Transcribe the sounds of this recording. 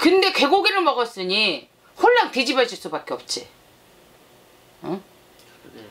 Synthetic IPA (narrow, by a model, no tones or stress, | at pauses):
kɯnde̞kwe̞ɡoɡiɾɯɭmʌɡʌs͈ɯɲi | hoɭːaŋted͡ʑibad͡ʑuɭs͈ubak͈e̞ʌp̚t͡ɕ͈i | ʌ